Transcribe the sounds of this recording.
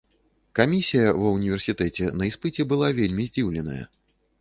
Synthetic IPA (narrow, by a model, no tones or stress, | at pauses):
kamʲisʲijɐvɐwnʲivʲɛrsʲit̪ɛt͡sʲɛnɐispɨt͡sʲɛbɨlˠavʲelʲmʲizʲd͡zʲiwlʲɛnɐ̰jɐ̰